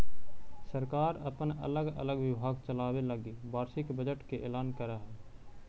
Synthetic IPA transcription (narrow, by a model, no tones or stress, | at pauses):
səɾkaːɾə̰pənə̰ləɡə̰ləɡwɪbʱaːɡt͡ʃəlaːweləɡibaːɾʃɪkbəd͡ʒəʈkeʔeːlaːnkəɾaɦɛː